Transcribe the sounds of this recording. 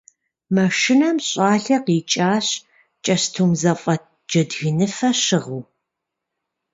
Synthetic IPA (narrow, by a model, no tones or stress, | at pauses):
mɐʂʃɪnɐmɕʼaːɬɐqiːt͡ʃʼaːɕ | t͡ʃʼɐɕtʰuːmzɐfʼɐ | d͡ʒɐdɣɨnɨfɐɕɨʁuː